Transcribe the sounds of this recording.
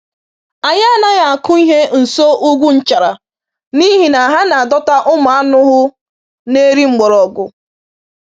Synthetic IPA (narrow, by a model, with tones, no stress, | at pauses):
a˨ɲa˦a˦na˦ɣa˨a˨kʊ˦i˦ɦe˦n̩˨so˦ʔu˦ɡʷu˦n̩˦t͡ʃa˨ɾa˨ | ni˦ɦi˨na˨ɦa˦na˨a˨dɔ˦ta˦ʔʊ˦ma˨a˦nʊ˦ɦʊ˦ | ne˦ɾi˦ŋ͡m̩˨ɡ͡bɔ˨ɾɔ˨ɡʊ˨